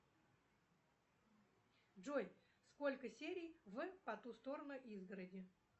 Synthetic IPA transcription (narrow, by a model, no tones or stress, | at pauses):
ʐoj | sko̞lʲkəsʲeɾʲɪjvɨpɐt̪ust̪o̞ɾənʊʔizɡəɾədʲɪ